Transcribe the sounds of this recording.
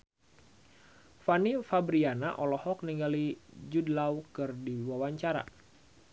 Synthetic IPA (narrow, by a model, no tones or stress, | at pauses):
fanifabɾianaʔɔlɔhɔk̚niŋɡalid͡ʒudlawkɨrdiwawaɲt͡ʃaɾa̰